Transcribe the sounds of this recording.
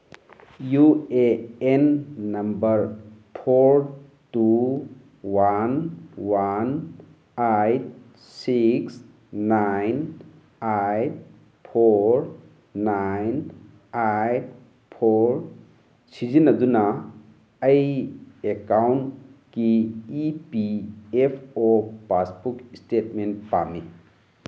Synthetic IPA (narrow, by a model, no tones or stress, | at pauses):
jueenːɐmbɐɾpʰoɾ | tu | wanwan | ajt̚ | siks | najn | ajt̚ | pʰoɾ | najn | ajt̚ | pʰoɾ | sʰizinaduna | əjekawnkiipiepʰɔpasbukistetmentpa̰mi